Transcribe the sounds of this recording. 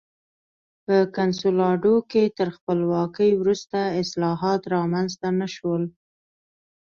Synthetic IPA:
pəkansulɑɖoket̪əɾxpəlwɑkəjwɾust̪aɪslɑɦɑt̪ɾɑmanzt̪anaʃwəl

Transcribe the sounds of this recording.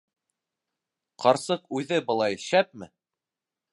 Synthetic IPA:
qɑɾsɤqʉðɘbɤ̆lˠɑjʃæp̚mɘ

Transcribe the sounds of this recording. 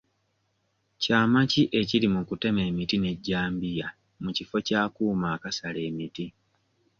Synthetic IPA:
caːmaciʔe̞ciɾimukute̞me̞ːmitine̞ɟːaːmbija | mucifo̞caːkuːmaːkasale̞ːmiti

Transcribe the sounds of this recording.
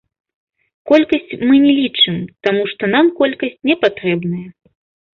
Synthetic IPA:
kɔlʲkɐsʲt͡sʲmɨnʲɛlʲit͡ʂɨmt̪amuʂt̪ɔnamkɔlʲkɐsʲt͡sʲnʲɛpat̪ɾɛbnɐjɐ

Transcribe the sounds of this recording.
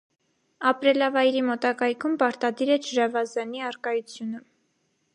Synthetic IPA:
ɑpɾɛlɑvɑjɾimɔt̪ɑkɑjkʰumpɑɾt̪ɑd̪iɾɛt͡ʃʰəɾɑvɑzɑniɑɾkɑjut͡sʰjunə

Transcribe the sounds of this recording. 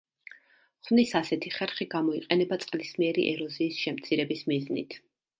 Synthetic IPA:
χvnisasɛt̪ʰiχɛɾχiɡamɔiqʼɛnɛbat̪sʼqʼlismiɛɾḭʔɛ̰ɾɔziːsʃɛmt̪sʰiɾɛbismiznḭt̪ʰ

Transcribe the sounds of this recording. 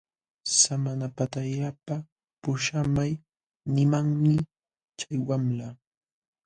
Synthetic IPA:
samanapat̪aʎapa | pʊʃamaj | nɪmaŋmɪ | t͡ʃajwamla

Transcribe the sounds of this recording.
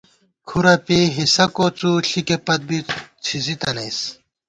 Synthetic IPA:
kʰuɾɐpeɦisɐkot͡suɬikepɐt̪̚bit͡sʰizit̪ɐnɐjs

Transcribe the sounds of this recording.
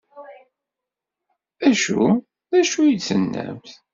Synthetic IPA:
æʃu | ðæʃujət͡sːənːæ̰mθ

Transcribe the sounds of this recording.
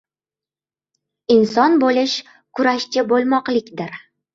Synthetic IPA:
insɒnbolɪʃ | kʰʊɾaʃt͡ʃʰɪbolˠmɒqlˠɪkʲd̪ɪɾ

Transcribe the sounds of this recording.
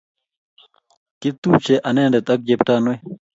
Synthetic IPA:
kit̪uːt͡ɕeʔɐneːɳɖet̪ɐk̚d͡ʑepʈaːnoj

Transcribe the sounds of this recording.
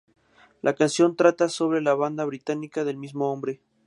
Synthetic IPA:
lʔakansjo̞nt̪ɾat̪aso̞β̞ɾe̞laβand̪aβɾit̪anikaðe̞lmizmoombɾe̞

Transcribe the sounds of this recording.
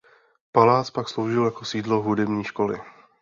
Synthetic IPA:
palaːt͡spakslo̞wʒɪljako̞siːdlo̞ɦudɛbɲiːʃko̞lɪ̰

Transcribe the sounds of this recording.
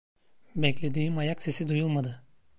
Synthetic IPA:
bɛclʲe̞d̪iːmajakse̞sid̪ujulˠmad̪ɯ

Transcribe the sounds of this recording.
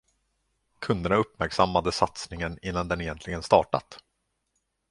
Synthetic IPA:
kʰɵnd̪əɳaɵpːmæɾksamːad̪əsat̪snɪŋənɪnːand̪ɛnɛjɛnt̪lɪɡənst̪ɑ̰ːʈa̰t̪

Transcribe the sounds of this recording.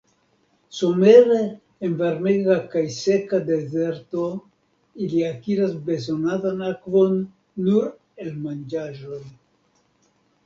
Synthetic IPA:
someɾeː | nveɾmeɡakajsekad̪e̞zeɾt̪o | iliakiɾazbe̞zonaðanakvonː | uɾ | elmand͡ʒaʒo̞j

